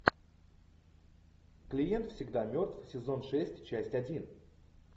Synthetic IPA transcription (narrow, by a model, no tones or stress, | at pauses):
klʲɪje̞nt̪fsʲɪɡd̪amʲo̞rt̪vsʲɪzo̞nʂɛsʲtʲt͡ɕæsʲtʲɐdʲin